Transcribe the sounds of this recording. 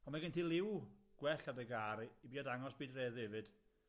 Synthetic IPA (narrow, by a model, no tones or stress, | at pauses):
ɔmaɡɪntʰilˠɪwɡ̥wɛɬadəɡaːɾibiːadaŋɔsb̥iːdrɛðɪvɨd̥